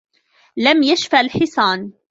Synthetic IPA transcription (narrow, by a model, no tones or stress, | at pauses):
lamjaʃfalħɪsˤɑːn